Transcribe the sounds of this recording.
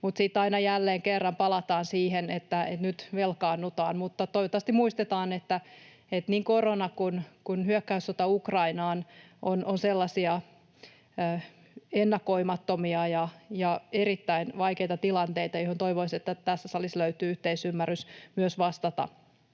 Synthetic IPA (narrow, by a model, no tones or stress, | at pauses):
mut̪sit̪ːɑinɑjælːeːŋkerːɑmpɑlɑt̪ɑːnsiːɦenet̪ːæet̪nyt̪ʋelkɑːnːut̪ɑːnmut̪ːɑt̪oiʋot̪ːɑsɑst̪imuist̪et̪ɑːnet̪ːæ | et̪niːŋkoronɑkunkunhyøkːæysot̪ɑukrɑinɑːn | ʔonʔonselːɑsiɑ | enːɑkoimɑt̪ːomiɑjɑjɑeɾit̪ːæinʋɑikeit̪ɑt̪ilɑnt̪eit̪ɑjohont̪oiʋoiset̪ːæt̪æsːæsɑlisløyt̪yːyht̪eisymːærysmyøsʋɑst̪ɑt̪ɑ̰